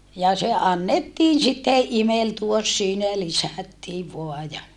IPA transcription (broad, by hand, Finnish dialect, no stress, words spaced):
jɑ se ɑnːetːiːn sitːeʔ ʔimeltuos siːnæ jɑ lisæˑtːiːʋ ʋoɑ jɑ